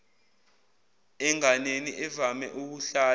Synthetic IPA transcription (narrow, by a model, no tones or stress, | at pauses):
ɛŋaneniʔɛvamɛ̰ʔuk̬uɬaː